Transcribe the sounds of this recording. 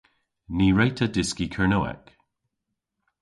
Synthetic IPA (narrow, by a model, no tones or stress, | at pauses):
niːɹejtʰədɪskikʰəɹnoːɛ̰k